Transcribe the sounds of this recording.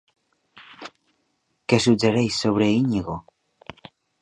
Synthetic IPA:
kesud͡ʒeɾejsːoβ̞ɾeiɲiɣo

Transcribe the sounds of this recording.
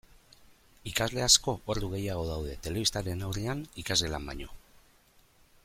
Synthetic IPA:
ikazle̞asko̞ʔoɾðd̪uɣ̞e̞jaɣ̞o̞ðawð̞e̞t̪e̞le̞βist̪aɾe̞nawreanikazle̞lamba̰ɲo̞

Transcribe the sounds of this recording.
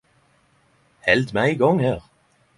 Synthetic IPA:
hɛlt̪mæɪɡɔŋhæːʁ

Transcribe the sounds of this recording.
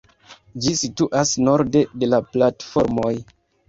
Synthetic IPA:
d͡ʒisituʔasno̞ɾde̞de̞laplatfo̞ɾmo̞j

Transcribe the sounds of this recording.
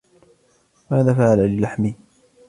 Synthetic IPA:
maːðaːfaʕalalɪlaħmɪ

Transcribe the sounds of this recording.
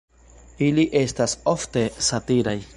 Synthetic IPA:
iliʔe̞staso̞fte̞satiɾaj

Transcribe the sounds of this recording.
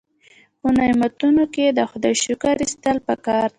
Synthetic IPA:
pənamat̪unoked̪əxʊd̪ɑjʃukaɾist̪əlpəkɑɾ

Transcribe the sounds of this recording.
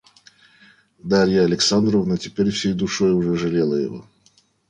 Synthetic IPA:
d̪aɾʲjəɐlʲɪksand̪ɾəvnətʲɪpʲeɾʲfsʲejd̪ʊʂojʊʐɛʐɨlʲelˠəjɪ̰vo̰

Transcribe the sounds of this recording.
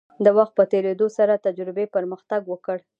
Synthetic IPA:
d̪əwaxt̪̚pət̪eɾed̪osaɾat̪ad͡ʒɾɪbepəɾməxt̪aɡwəkəɽ

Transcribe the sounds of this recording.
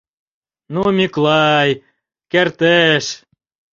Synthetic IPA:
numʲyklˠɑj | kert̪eʃ

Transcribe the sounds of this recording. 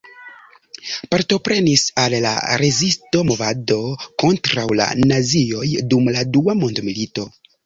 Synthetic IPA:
paɾto̞pɾe̞nisalːa̰ɾe̞zisto̞mo̞vado̞ko̞ntɾawla̰nazio̞jdumladuamo̞ndmilito̞

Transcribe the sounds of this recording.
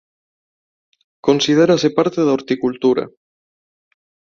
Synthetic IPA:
konsið̞eɾasepaɾt̪eðaoɾt̪ikult̪uɾa̰

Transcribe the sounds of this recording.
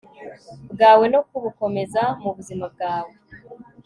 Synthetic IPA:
bɡaːwe̞no̞kuβuko̞me̞zamuβuzimab̚ɡaːwe

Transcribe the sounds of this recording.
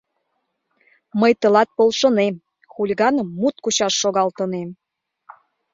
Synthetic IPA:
məjt̪ə̆lɑt̪̚polʃənem | xulʲiɣɑnəmːut̪kuɕɑʃːoɣɑlt̪ənem

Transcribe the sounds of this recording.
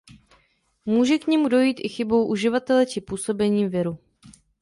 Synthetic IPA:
muːʒɛkɲɛmudo̞jiːt̪ʔɪxɪbo̞wʔuʒɪvat̪ɛlɛt͡ʃɪpuːso̞bɛɲiːmvɪɾu

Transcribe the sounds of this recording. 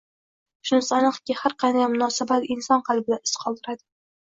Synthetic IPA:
ʃʊnsanɨqkʲɪhaɾqʰɑnd̪ajmʊnɒsabat̪ɪnsɒnqʰɑlbɪlanɪ̥sqʰɒlˠd̪ɪɾad̪ɪ̥

